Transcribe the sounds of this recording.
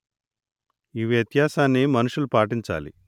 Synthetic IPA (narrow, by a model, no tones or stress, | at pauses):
iʋjɐt̪jaːsaːnːimɐnuʂulupaːʈiɲt͡ʃa̰ːlḭ